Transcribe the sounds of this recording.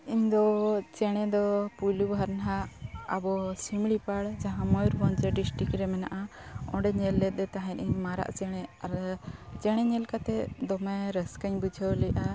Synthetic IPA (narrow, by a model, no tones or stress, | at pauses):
iɲd̪ɔt͡ʃɛɽ̃ɛd̪ɔpujlubʱaɾnɦaabɔsimɽipaɽd͡ʒaɦãmɔjuɾbɔɲt͡ʃəɖisʈɾikɾɛmɛna̰ʔaɔ̰̃ɖɛɲɛlːɛt̪̚ˀɛt̪aɦãɲiɲmaɾa̰ʔt͡ʃɛɽ̃ɛaɾt͡ʃɛɽ̃ɛɲɛlkat̪ɛd̪ɔmaɾəskəɲbud͡ʒʱəwlɛjʔa